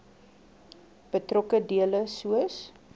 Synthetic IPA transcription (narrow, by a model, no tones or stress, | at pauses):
b̥ətrɔkədiələsuəs